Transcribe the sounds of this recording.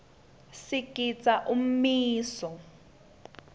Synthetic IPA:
sikʼit͡sʼaʔum̩miːsɔ

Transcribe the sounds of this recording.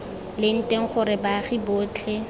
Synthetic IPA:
lɪn̩tʼeŋ̩χʊɾɪbaχibʊːt͡ɬʰe

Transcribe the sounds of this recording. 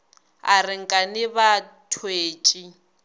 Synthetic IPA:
a̰rɪŋ̩kʼanɪβatʰweːt͡ʃʼi

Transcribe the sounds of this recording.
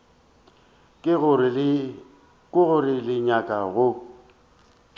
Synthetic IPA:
kʼɣ | kʼʊɣʊɾɪlɪɲakʼaɣʊ

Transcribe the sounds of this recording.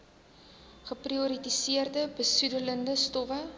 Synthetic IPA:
χəpriɔɾitisiərdəbəsudələndəstɔfə

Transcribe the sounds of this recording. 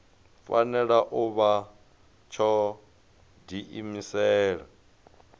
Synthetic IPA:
fa̰nɛɺaʔuβa | t͡ʃʰɔ | diʔimisɛːɺa

